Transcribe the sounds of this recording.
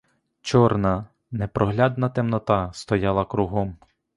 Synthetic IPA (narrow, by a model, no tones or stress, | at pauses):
t͡ʃɔrnɐ | nepɾɔɦlʲɑd̪nɐt̪emnɔt̪ɑst̪ɔjɑlˠɐkɾuɦɔm